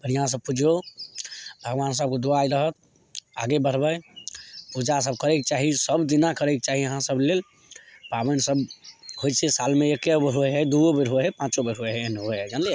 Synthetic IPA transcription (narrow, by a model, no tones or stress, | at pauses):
pəɾjəɦãs̬əb̚pud͡ʒʱo | bʱəɡʋansəb̚kod̪oajɾəɦət̪̚ | a̰ɡebəɾ̤bəj | pud͡ʒas̬əb̚kəɾekt͡ʃaɦisəbd̪inakəɾekt͡ʃaɦijəɦãsəblel | pabənsəbɦojt͡ʃʰesalmeekebɾɦoeɦɛd̪uobeɾɦoeɦɛpãt͡ʃobeɾɦoeɦɛnɦoɦɛd͡ʒanle